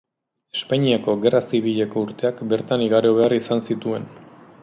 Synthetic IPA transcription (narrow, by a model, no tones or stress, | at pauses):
e̞spaɲiako̞ɣe̞rasiβ̞iʎe̞ko̞uɾt̪e̞akbe̞ɾt̪aniɣaɾo̞βe̞arisansit̪ue̞n